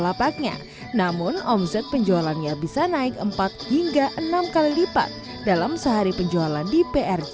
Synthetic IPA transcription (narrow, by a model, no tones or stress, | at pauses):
lapak̚ɲa̰ | namʊnɔmsɛt̪̚pəɲd͡ʒoalanɲabisanaɪkəmpat̪̚hiŋɡaʔənamkalilipa̰t̪̚ | dalamsəɦaɾipəɲd͡ʒoalandipeʔɛr